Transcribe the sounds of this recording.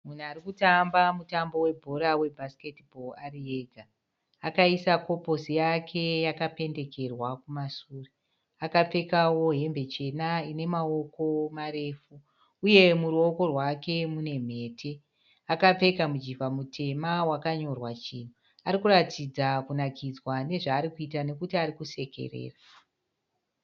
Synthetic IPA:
mun̤uaɾikutambamutambo̞we̞bʱo̞ɾawe̞bʱaske̞tbʱo̞arie̞ɡʱaː | kaisako̞po̞sijakʰe̞jakape̞nde̞ke̞rwakumasuːri | akap͡fe̞kawo̞ɦe̞mbe̞t͡ʃe̞naine̞mao̞ko̞maɾe̞ːfuː | je̞muruo̞ko̞rwake̞mune̞m̤e̞ːtʰe̞ | akap͡fe̞kamud͡ʒivamutʰe̞mawakaɲorwat͡ʃino | aɾikuratʰid͡zakunakid͡zwane̞ʐaːɾikuitane̞kutiaɾikuse̞ke̞̰rḛːfu̥

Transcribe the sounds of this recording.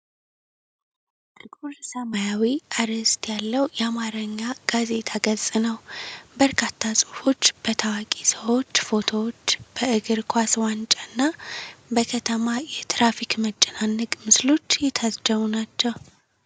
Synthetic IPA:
t̪ʼɨɡuɾsəmajawiʔaɾəst̪ʰjalːəwjɛamaɾəɲːaɡ̥aze̞t̪ʰaɡəzʼɨnəwbəɾkʰat̪ʰːasʼufo̞t͡ʃːb̥ət̪ʰawakʼisəwo̞t͡ʃːfo̞t̪ʰo̞wot͡ʃːb̥əʔɨɡɨɾkʰʷaswant͡ʃʼaɨnːabəkʰət̪ʰəmajɛt̪ʰɾafikmət͡ʃʼːɛnanːɨɡʼmɨslo̞t͡ʃːjɛt̪ʰazd͡ʒəβunat͡ʃːɛw

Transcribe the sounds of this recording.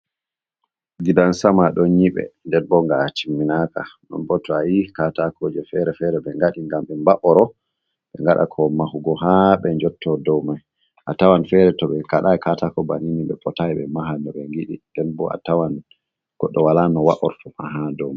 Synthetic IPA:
ɡidansamaɗɔnɲiɓɛ̰ndɛnbɔŋɡat͡ʃimːinaka̰ɗɔ̰nbɔtːɔajikatakʰɔd͡ʒɛfɛɾɛfɛɾɛbɛŋɡaɗiŋɡamɓɛmbaʔɔɾɔ | ɓɛŋɡaɗa̰kʰɔmahuɡɔɦaɓɛɲd͡ʒɔtʰːɔdɔwmaj | ʔatawanfɛɾɛtɔɓɛkaɗajkatakɔbaniniɓɛpɔtajɓɛ̰maɦanɔɓɛŋɡiɗḭndɛnbɔa̰tawan | ɡ̥ɔɗːɔwalanɔwaʔɔɾtɔmaɦadɔwma

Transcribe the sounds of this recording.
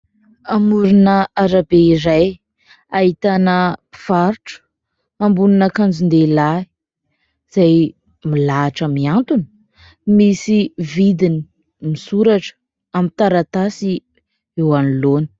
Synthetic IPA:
amuɾunəaɾabeiɾaj | aɦit̪anəv̥aɾʈ͡ʂə̥ | ambuninəkand͡ʒind̪elai | z̥aj | milaʈ͡ʂəmiant̪uni̥ | misivid̪ini | misuɾaʈ͡ʂə̥ | amint̪aɾat̪asi | ewaniloni̥

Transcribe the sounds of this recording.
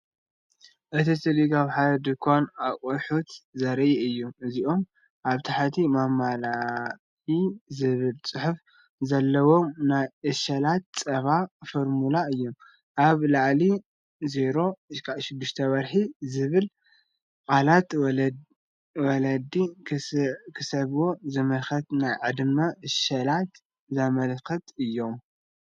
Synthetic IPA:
ʔɨt̪ʰisɨliɡaβħad̪ɐd̪ɨkʰːonakʼoħut̪zɐɾjɛɨjːumɨziʔo̞m | ʔaβt̪ʰaħat̪ʰimamːala | izɨβɨlt͡sʼɨħuf | zɐlːɐwo̞mnajʔɨʃɐlat̪̚t͡sʼɐβafoɾmulaɨjːom | ʔaβlaʕli | ze̞ɾo̞kʰaʃɪd̪ːɪʃt̪ʰɐβɐɾħizɨβɨl | kʼalat̪ | wɐlɐd̪ikʰkʰɨsɐβwo̞zɐmɐlxɐt̪najʕɨd̪mɐɨʃɐlat̪ | zɐmɐlkʰɐt̪ɨjːo̞m

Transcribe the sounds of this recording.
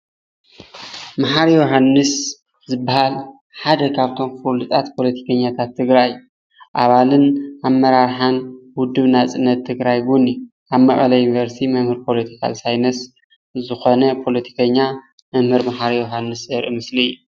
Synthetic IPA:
maħaɾjoɦanːɨs | zɨbːahal | ħad̪ɐkʰaβt̪ʰo̞mfulɨt̪ʼat̪pʰo̞lɐt̪ʰi̥kʰɐɲːat̪ʰat̪ʰːɨɡɾajɨjːu | ʔaβalɨnʔamːɐɾaɾħanwʊd̪ːɨβnat͡sʼɨnːɐt̪ʰːɨɡɾajɡunu | ʔaβmɐχʼɐ̰lɐjunivɐɾst̪ʰimɐmhɨɾpʰo̞lɐt̪ʰi̥kʰa̰lsajnɐs | zɨxo̞nɐpʰo̞lɐt̪ʰi̥kʰɐɲːa | mɨmhɨɾmaħaɾjoɦanːɨsjɐɾʔɨmɨsliɨjːu

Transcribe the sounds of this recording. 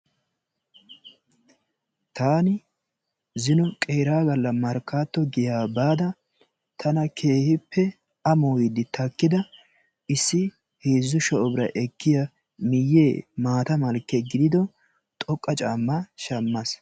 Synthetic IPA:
t̪aːnɪ | zɪnɔkʼe̞ːɾaːɡɐlːɐmɐɾkːaːt̪ːɔɡɪjaːbaːd̪ɐ | t̪ʰɐnɐkʰe̞ːhɪpːɛ | ɐmoːjɪd̪ɪt̪ʰɐkːɪd̪ɐ | ʔɪsːɪ | heːzːʊʃɐʔɔbɪɾɐ̰ʔɛkːɪjɐ | mɪjːeːmaːt̪ɐmɐlkːɛɡɪd̪ɪd̪ɔ | t̪ʼɔkʼːɐt͡ʃʼaːmːɐʃɐmːɐs

